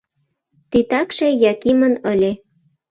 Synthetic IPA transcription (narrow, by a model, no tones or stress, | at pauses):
t̪it̪ɑkʃejɑkimənəlʲe